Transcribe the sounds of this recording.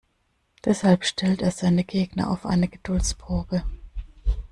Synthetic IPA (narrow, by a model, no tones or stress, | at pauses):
d̥ɛshalpʃtʰɛlteːɐzaɪnəɡeːɡnɐ̰ʔa̰ʊfʔa̰ɪnəɡ̥əd̥ʊlt͡spʁ̥oːbə